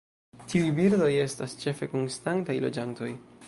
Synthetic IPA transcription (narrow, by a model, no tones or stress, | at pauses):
tʰiujbiɾdo̞je̞stast͡ʃe̞fe̞ko̞nstantajlo̞̰d͡ʒanto̞j